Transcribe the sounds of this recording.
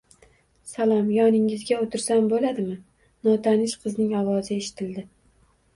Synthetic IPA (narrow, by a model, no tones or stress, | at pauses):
salˠɒmjɒnɪŋɪzɡʲaot̪ʰɪɾsanbolad̪ɪmɪ | nɒt̪ʰanɪʃqʰɨznɪŋɒwɒzɪe̞ʃɪ̥t̪ʰɪld̪ɪ